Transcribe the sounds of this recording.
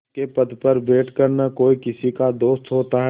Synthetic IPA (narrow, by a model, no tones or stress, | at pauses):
kepɐd̪pɐɾbeːʈkəɾnakoːikɪsikad̪oːst̪ɦoːt̪aɦɛ